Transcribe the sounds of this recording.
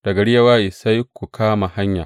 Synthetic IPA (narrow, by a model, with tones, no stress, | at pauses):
d̥ɐ˨ɡɐ˨ɽɪ˦jɐ˦waː˦ʔɪ˨sa˦jkʷːu˨kʰaː˦ma˨ha˦ɲja̰ː˨